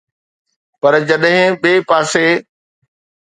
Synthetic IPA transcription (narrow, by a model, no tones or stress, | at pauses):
pɐɾd͡ʑɐɗɦɪ̃ɓeːpaːse